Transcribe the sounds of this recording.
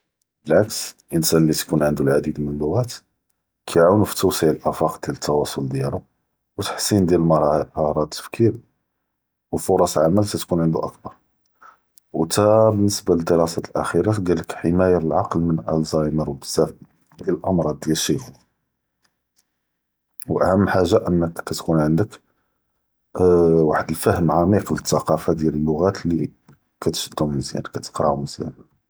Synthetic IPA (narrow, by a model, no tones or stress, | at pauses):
bəlʕaksʔənsænlːit̪kunʕənd̪ulʕad̪id̪mənəlːʊɣæt̪ | kʰæjʕuwnufi̥t̪ːəwsiʕəlʔæfɑqd̪jælət̪ʰːɑwɑsˤold̪jælʊ | wt̪ḁħsind̪jællmɑɑhɾˤɑt̪ːə̥fkʰiɾ | wəfʊɾˤɑslʕamælsæt̪kunʕənd̪ṵʔæ̰kbɑɾˤ | wt̪æbənːəsbaləd̪əɾɑsæt̪əlʔæ̰xiɾaɡæləkħəmæjalʕɑqlmənʔæ̰lzɑjməɾwbəzːæf | d̪ællʔɑmɾˤɑd̪̚ːjælʃih | wʔæ̰hæmːħaʒːaʔənːəkkːæt̪kunʕənd̪ək | waħəd̪əlfæhəmʕɑmiqlət̪ːɑqɑfad̪jæləlːʊɣæt̪li | kæt̪ʃəd̪ːumzjæ̰nkæt̪ə̥qɾɑʕuməzjæ̰n